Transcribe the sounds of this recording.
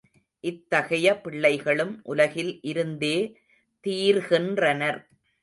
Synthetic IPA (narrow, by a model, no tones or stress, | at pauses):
ʔɪt̪ːɐɣɐjɐpːɪɭːɐɪɣɐɭɯmʔʊlɐɣɪlʔɪɾɯnd̪eː | t̪iːɾɣɪndrɐnɐɾ